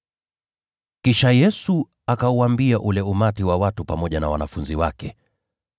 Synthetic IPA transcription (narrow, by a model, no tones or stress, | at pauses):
kiʃajɛsu | akauambiaʔulɛumatiwawatupamɔʄanawa̰nafunziwakɛ